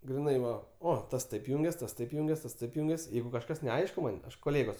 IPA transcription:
ɡrʲɪˈnɐɪ ˈʋɐ ˈoː ˈtɐs ˈtɐɪp ˈjʊŋʲɡʲɛs ˈtɐs ˈtɐɪp ˈjʊŋʲɡʲɛs ˈtɐs ˈtɐɪp ˈjʊŋʲɡʲɛs ˈjɛɪɡʊ kɐʃˈkɐs nʲɛˈɐɪʃkʊ ˈmɐnʲ koːˈlʲeːɡoːs

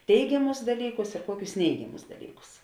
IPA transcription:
ˈtʲɛɪɡʲɛmʊs dɐlʲˈiːkʊs ɪr ˈkuɔkʲʊs ˈnʲɛɪɡʲɛmʊs dɐˈlʲiːkʊs

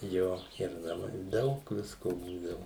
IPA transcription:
ˈjoː ɪr nɐˈmɐɪ ˈdɐʊk ˈʋʲɪskoː ˈbuːdɐʋʊ

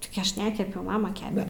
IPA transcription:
tʲɪɡʲɪ ˈɐʃ ˈnʲæːkʲɛpʲɛʊ ˈmɑːmɐ ˈkʲæːpʲɛ

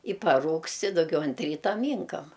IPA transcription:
ɪ pɐˈruːkst ɪ dʊˈɡʲɛʊ ɐnt ˈrʲiːtɐ ˈmʲiːŋkɐm

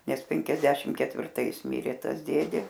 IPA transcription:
ˈnʲɛs ˈpʲɛŋʲkʲɛzʲdʲɛʃʲɪm kʲɛtʲʋʲɪrˈtɐɪs ˈmʲɪrʲeː ˈtɐs ˈdʲeːdʲeː

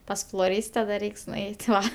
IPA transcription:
ˈpɐs flˠoːˈrʲiːsʲtʲɛ dɐ ˈrʲɛɪks nʊˈɛɪtʲ ˈʋɐ

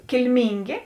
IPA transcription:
kʲɪlʲˈmʲiːŋʲɡʲeː

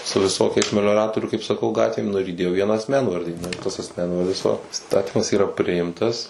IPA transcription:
sʊ ʋʲɪˈsoːkʲɛɪs mʲɛlʲoːˈrɑːtoːrʲuː kɐɪp sɐˈkɐʊ ˈɡɑːtʲʋʲeːm ˈnʊ ɪr iːˈdʲeːjoː ˈʋʲiɛnɑː ɐsʲˈmʲɛnʋɐrʲdʲiː ˈnʊ ɪr tɐs ɐsʲˈmʲɛnʋɐrʲdʲɪs ʋɐ ˈɪstɐtʲiːmɐs ˈiːrɐ ˈpʲrʲɪɪmtɐs

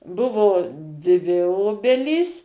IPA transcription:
ˈbʊʋoː dʲʋʲɪ ˈoːbʲɛlʲiːs

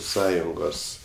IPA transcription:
ˈsɑːjʊŋɡoːs

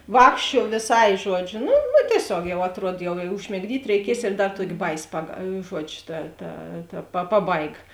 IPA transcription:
ˈʋɑːkʃʲt͡ʃʲuɔ ʋʲeːˈsɐɪ ˈʒuɔd͡ʒʲʊ ˈnʊ nʊ tʲiɛˈsʲoːk jɛʊ ɐtˈruɔt jɛʊ ɪ ʊʒʲmʲɪɡˈdʲiːtʲ rʲɛɪˈkʲiɛs ɪr ˈdɐr ˈtuɔkʲeːˈbɐɪˌsʲɪ pɐk ˈʒuɔd͡ʒʲʊ tɐ tɐ tɐ pɐ ˈpɑːˌbɐɪɡɐ

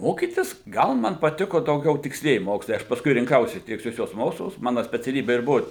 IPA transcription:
ˈmoːkʲiːtʲɪs ˈɡɐlˠ ˈmɐn pɐˈtʲɪkoː dɐʊˈɡʲɛʊ tʲɪksʲˈlʲiɛjɪ ˈmoːkslˠɐɪ ˈɐʃ pɐsˈkʊɪ rʲɪŋˈkɐʊsʲɪ tʲɪksʲˈlʲuɔsʲʊs ˈmoːkslˠʊs ˈmɑːnɐ sʲpʲɛt͡sʲɛˈlʲiːbʲɛ ɪr ˈbʊʋʊ

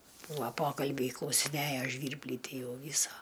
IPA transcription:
ˈbuːɐ ˈpoːkɐlʲbʲɛɪ klˠɐʊsʲɪˈnʲæjoː ˈʒʲʋʲiːrʲbʲlʲiː ˈtʲiː ˈjɛʊ ˈʋʲiːsɐ

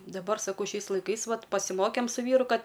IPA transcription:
dɐˈbɐr sɐˈkɐʊ ˈʃʲɛɪs lˠɐɪˈkɐɪs ˈʋɐt pɐsʲɪˈmoːkʲeːm sʊ ˈʋʲiːrʊ ˈkɐt

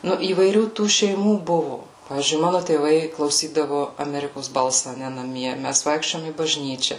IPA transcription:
ˈnʊ iːʋɐɪˈrʲuː tuː ʃʲɛɪˈmuː ˈbʊʋʊ ˈpɑːʋʲiːzʲd͡ʒʲʊɪ ˈmɑːnʊ tʲeːˈʋɐɪ klˠɐʊˈsʲiːdɐʋʊ ɐˈmʲæːrʲɪkoːs ˈbɐlˠsɐ ɐˈnʲɛ nɐˈmʲiɛ ˈmʲæs ˈʋɐɪkʃʲt͡ʃʲoːjoːm iː bɐʒʲˈnʲiːt͡ʃʲɛ

